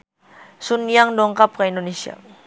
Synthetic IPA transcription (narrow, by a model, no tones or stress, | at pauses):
sunjaŋdɔŋkap̚kaindonesia̰